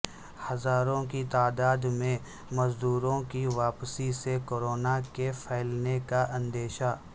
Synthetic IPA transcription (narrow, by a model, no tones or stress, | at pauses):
hɐzaːɾõkit̪aːd̪aːd̪mẽ | mɐzd̪uːɾõkiʋaːpsisekoːɾoːnakepʰɛːlnekaʔɐ̃nd̪eːʃaː